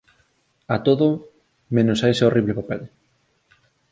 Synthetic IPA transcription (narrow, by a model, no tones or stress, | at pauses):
at̪oðo | mẽnosajseoriβlepapeð